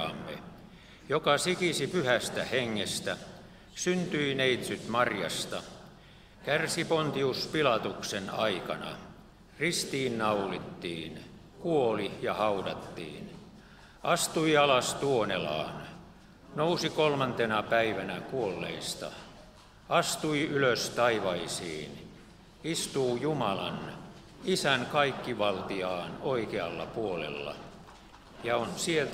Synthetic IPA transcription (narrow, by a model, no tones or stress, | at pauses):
ɑ̰mːḛ | jokɑsikisipyhæst̪æheŋːest̪æ | synt̪yineit̪syt̪mɑrjɑ̰st̪ɑ | kærsipont̪iuspilɑt̪uksenɑ̰ikɑnɑ̰ | rist̪iːnnɑulit̪ːiːn | kuolijɑhɑudɑt̪ːḭːn | ʔɑst̪uiɑlɑst̪uonelɑ̰ːn | nousikolmɑnt̪enɑpæiʋænækuolːḛist̪ɑ̰ | ɑst̪uiyløst̪ɑiʋɑisḭːn | ist̪uːjumɑlɑ̰n | isænkɑikːiʋɑlt̪iɑːnoikeɑlːɑ̰puolḛlːɑ̰ | jɑonsielt̪